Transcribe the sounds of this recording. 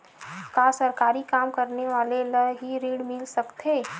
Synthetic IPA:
kaːsɐɾkaːɾikaːmkɐɾneʋaːleləɦiɾiːɽmɪlsɐkt̪ɦeː

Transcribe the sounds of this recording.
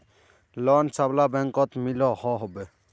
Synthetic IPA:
lɔnsablabɛŋkɔt̪milɔhɔɦɔbɛ

